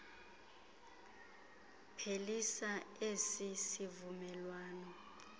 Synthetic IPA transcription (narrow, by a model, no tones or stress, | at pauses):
pʰelisaesisivumɛlwaːnɔ